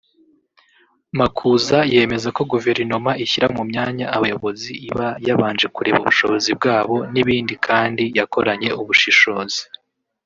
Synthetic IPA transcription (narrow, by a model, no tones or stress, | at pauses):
makʰuzaje̞ːme̞zako̞ɡuve̞ɾinomaʔiçiɾamumɲaːɲaːβajo̞βo̞ziiβajaβaːnd͡ʒe̞kuɾe̞̰βṵβuʃo̞βozib̚ɡaːβo̞niβiːndikʰaːndijako̞ɾaɲe̞uβuʃiʃo̞ːzi̥